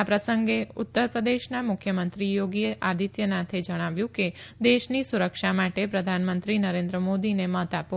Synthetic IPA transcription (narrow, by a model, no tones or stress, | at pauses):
apɾəsəŋɡeʊt̪ːəɾpɾəd̪eʃnamʊkʰjəmənt̪ɾijoɡieʔad̪ʱit̪jənat̪ʰed͡ʒəɽ̃aʋjũked̪eʃnisuɾəkʃamaʈepɾəd̪ʱanmənt̪ɾinəɾẽnd̪ɾəmod̪inemət̪ap